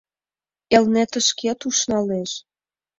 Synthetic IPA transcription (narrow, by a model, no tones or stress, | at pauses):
elnæt̪ə̆ʃket̪uʃnɑleʃ